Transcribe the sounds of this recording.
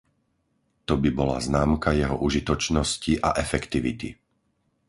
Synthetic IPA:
t̪ɔbibɔla̰znaːmkajɛɦɔʔuʒit̪ɔt͡ʃnɔsciʔa̰ʔɛfɛkt̪iʋit̪ḭ

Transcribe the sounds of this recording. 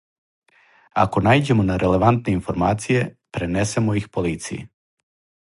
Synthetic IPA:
a̰ko̞naːjd͡ʑe̞mo̞naɾʔe̞le̞ʋant̪ne̞info̞ɾmaːt̪sije̞pɾenese̞mo̞ixpoliːt̪sḭjḭ

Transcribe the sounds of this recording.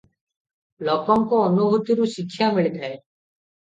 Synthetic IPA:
lɔkɔŋkɔːnubʱut̪iɾusikʰːjamiɭid̪ʱae

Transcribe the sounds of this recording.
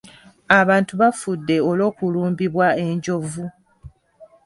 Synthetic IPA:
aβaːntuβafudːe̞olo̞ːkuluːmbiβwae̞ɲɟo̞vu

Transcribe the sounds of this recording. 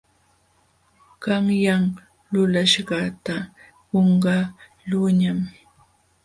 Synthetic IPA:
kɑŋjaŋ | lʊlaʃɢɑt̪a | ɢoɴɢɑ | lʊɲam

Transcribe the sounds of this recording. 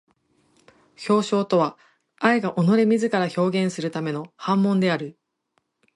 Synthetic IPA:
ço̞ːɕo̞ːt̪o̞βa | aiɡaʔo̞no̞ɾe̞mʲizɨkaɾaço̞ːɡẽɰ̃sɨɾɯ̟t̪ame̞no̞hãmːõ̞nd̪e̞aɾɯ̟

